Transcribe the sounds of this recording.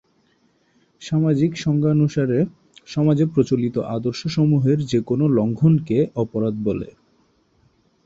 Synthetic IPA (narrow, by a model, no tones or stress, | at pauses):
ʃamad͡ʑikʃɔŋɡanuʃaɾe | ʃɔmad͡ʑepɾot͡ɕolit̪o̰ʔad̪oɾʃoʃomuɦeɾd͡ʑekonolɔŋɡʱonkeɔpoɾad̪̚bolḛ